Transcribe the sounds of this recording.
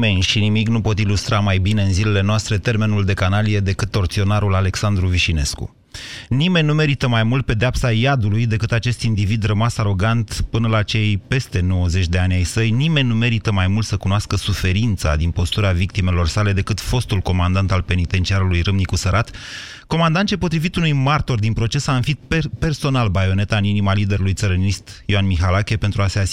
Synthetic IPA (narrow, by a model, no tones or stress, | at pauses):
enʲʃinimiknupo̞t̪ilust̪ɾamajbine̞ɨnzilele̞noast̪ɾe̞t̪e̞rme̞nuld̪e̞kanalije̞d̪e̞kɨt̪ːo̞rt̪sio̞naɾulale̞ksand̪ɾuviʃine̞skṵ | nime̞nʲːnume̞ɾit̪əmajmult̪̚pe̞d̪eapsajad̪ulujd̪e̞kɨt̪at͡ʃe̞st̪ind̪ivid̪rəmasaɾo̞ɡant̪pɨnəlat͡ʃe̞jpe̞st̪e̞no̞wəze̞t͡ʃʲd̪e̞anʲajsəjnime̞nʲnume̞ɾit̪əmajmult̪səkunoaskəsufe̞ɾint̪sa̰d̪inpo̞st̪uɾavik̚t̪ime̞lo̞rsale̞d̪e̞kɨt̪fo̞st̪ulko̞mand̪ant̪alpe̞nit̪e̞nt͡ʃiaɾulujrɨmnikusəɾat̪ | ko̞mand̪ant͡ʃepo̞t̪ɾivit̪unujmart̪o̞rd̪inpɾo̞t͡ʃe̞saɨnfit̪̚ppe̞rso̞nalbajo̞ne̞t̪aɨninimalid̪e̞ɾulujt̪səɾənist̪joanmiɦalakʲe̞pent̪ɾuase̞as